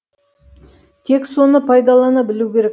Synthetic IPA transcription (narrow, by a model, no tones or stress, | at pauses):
t̪ʰe̞kso̞nəpʰɑjd̪ɑlˠɑnɑbɪluwkʲe̞ɾek